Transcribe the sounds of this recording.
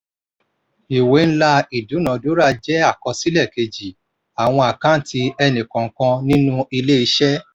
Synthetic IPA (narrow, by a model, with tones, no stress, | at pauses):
i˨we˨˦ñ̩˦la˧i˨du˨˦nã˨˦do˦ɾa˦˧d͡ʒɛ˦a˦˨kɔ˧si˦lɛ˦˨ke˧d͡ʒi˨ | a˨w̃ɔ̃˧a˨kã˦n̩˦ti˧ɛ˧nĩ˨kã˨˦kã˧nĩ˦nũ˦i˧le˦i˧˦ʃɛ˦